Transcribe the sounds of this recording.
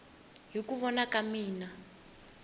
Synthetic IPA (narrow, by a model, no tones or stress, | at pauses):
ɦikuβɔnakamiːna